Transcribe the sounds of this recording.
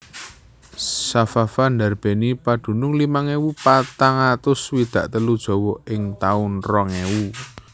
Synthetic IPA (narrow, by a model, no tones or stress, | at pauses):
safafand̪arb̥e̤nipad̪̥ṳnʊŋlimaŋewupat̪aŋat̪ʊswid̪̥ä̤ʔt̪əlud̥ʒ̥ɔ̤wɔʔɪŋt̪aʊnrɔŋewu